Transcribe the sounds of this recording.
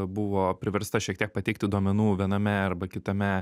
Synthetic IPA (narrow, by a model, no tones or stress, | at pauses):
bʊʋoːpʲɾʲɪʋʲɛɾst̪ɐʃʲiɛk̚t̪ʲiɛk̚pɐt̪ʲɛɪk̚t̪ʲɪd̪uoɔmʲɛnuːʋʲiɛnɐmʲɛɐrbɐkʲɪt̪ɐmʲɛ